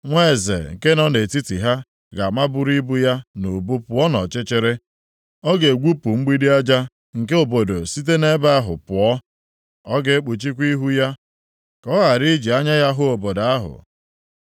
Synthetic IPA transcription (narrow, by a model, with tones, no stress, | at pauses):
ŋʷe˦˨zḛ˨ŋ̩˨ke˦nɔ˦ne˨ti˦ti˨ɦa˦ | ɡa˨ma˦bʊ˦ɾi˦bu˦ja˦no˨bu˦pʊ˨˦ɔ˦nɔ̰˨t͡ʃɪ˦t͡ʃɪ˦ɾɪ˦ | ɔ˦ɡe˨ɡʷu˦pu˨ŋ͡m̩˦ɡ͡bi˦di˦a˦d͡ʒa˦ | ŋ̩˨ke˦o˨bo˨do˨si˦t̬e˦ne˦ba˦a˦ɦʊ̰˨pʊ˨ɔ˦ | ɔ˦ɡe˦k͡pu˨t͡ʃi˦kʷi˦ɦu˦ja˦ | kɔ˦ɣa˨ɾi˦d͡ʒi˨a˦ɲa˦ja˦ɦʊ˦o˨bo˨da˦ɦʊ̰˨